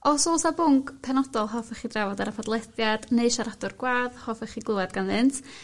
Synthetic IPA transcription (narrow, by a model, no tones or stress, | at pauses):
ɔsoːsabʊŋɡpʰɛnɔdɔlˠɦɔfɛχidravɔdaɾapʰadlˠɛθjadneɨʃaɾadʊrɡwaːðhɔfɛχiɡlˠʊadɡanðɨntʰ